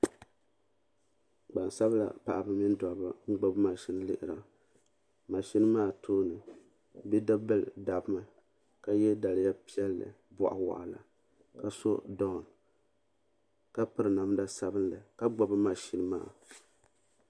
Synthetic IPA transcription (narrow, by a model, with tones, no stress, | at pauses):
ɡ͡ba˨n˨sa˦bla̰˨pa̰˨ʔa˨bɨ˦mi˦n˦dɔ˨ba˦ŋ͡m̩˦ɡ͡bo˦bma˨ʃi˦nɨ˦lɨ̰˨ʔɪ˨ɾa˨ | ma˨ʃi˦nɨ˦maː˦˨tʰoː˦nɨ˨ | bi˦da˦bɨ˦lda˨bma˨ | ka˦jɛ˦da˨lɪ˦ja˦pi˦ɛ˦lːɨ̰˨ | bɔ̰˨ʔa̰˨wa̰˨ʔa˨la̰˨ | ka˨so˦dɔ˦˨n | ka˦pɨ˦ɾɨ˨na˨m˦da˦sa˨bɨ˦n˦lɨ˨ka˦ɡ͡bo˨bɨ˦ma˨ʃi˦nɨ˦ma̰ː˦˨